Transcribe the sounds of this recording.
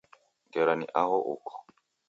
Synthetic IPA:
ɡɛɾanḭʔaɦɔʔṵkʰɔ̥

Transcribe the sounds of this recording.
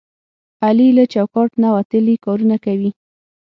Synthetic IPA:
alilat͡ʃawkɑʈnawat̪əlikɑɾunakawi

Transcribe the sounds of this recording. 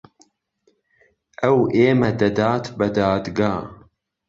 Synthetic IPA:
ʔɐwʔeːmɐd̪ɐd̪aːt̪bɐd̪aːt̪ɡaː

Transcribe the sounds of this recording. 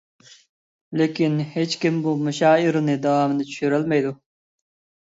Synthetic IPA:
lekʲinhet͡ʃkʲimbumuʃɑːiɾɪnɨd̪ɑwɑːmɨnɨt͡ʃʰy̥ʃyɾɪlmɛjd̪u

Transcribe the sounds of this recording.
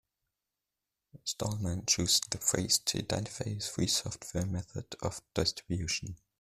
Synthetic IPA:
stɔlˠmə̃nt͡ʃuzðəfʰɹḛɪz̥tʰə̰ɪdɛ̰̃ntɪ̥faɪz̥fɹiːsɔftʰwɛmɛθə̰də̰vd̥ɛstɹ̥ɪbjʉʃə̃n

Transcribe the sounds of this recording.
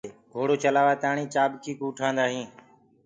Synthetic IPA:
ɡʱoːɽoːt͡ʃəlaːʋaːt̪aːɳĩːt͡ʃaːbkʰiːkuːʈʰãːnd̪aːɦĩː

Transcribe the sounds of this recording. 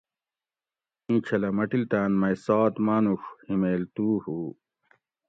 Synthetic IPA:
ĩːt͡ɕʰɐlɐmɐʈilt̪aːnmɐjsaːt̪maːnuxhimeːlt̪uːhuː

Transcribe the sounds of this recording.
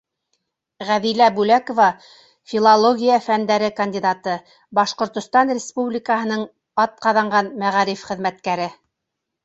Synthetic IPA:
ʁæðilæbʉlækŏvɑ | fʲilˠalˠoɡʲijafænd̪æɾɘkɐnʲdʲid̪ɑt̪ɤ | bɑʃqŏɾt̪ŏst̪ɑnrʲɪspublʲɪkəɦɤ̆nɤɴ | ɑt̪̚qɑðɑɴɢɑnmæʁɑɾifχɘ̆ðmæt̪̚kæɾɘ

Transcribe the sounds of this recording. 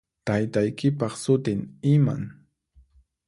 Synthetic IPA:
t̪ajt̪ajkɪpɑχsʊt̪ɪŋɪma̰ŋ

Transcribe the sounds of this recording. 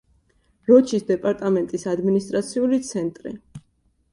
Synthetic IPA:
ɾɔt͡ʃʰisd̪ɛpʼaɾt̪ʼamɛnt̪ʼisad̪minist̪ʼɾat̪sʰiulit̪sʰɛnt̪ʼɾḭ

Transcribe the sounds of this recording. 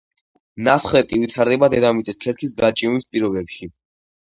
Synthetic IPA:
nasχlɛt̪ʼivit̪ʰaɾd̪ɛbad̪ɛd̪amit̪sʼɛskʰɛɾkʰisɡat͡ʃʼinispʼiɾɔbɛpʃi

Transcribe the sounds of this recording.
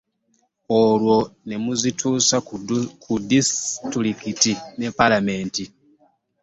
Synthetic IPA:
olwo̞ne̞muzitʰuːsakudistɾikitine̞palame̞ːnti

